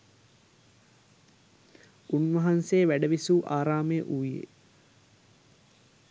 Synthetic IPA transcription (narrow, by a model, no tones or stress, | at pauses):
unʋɐɦanseːʋæɖəʋisuːʔaːɾaːmejʔuʋjḛ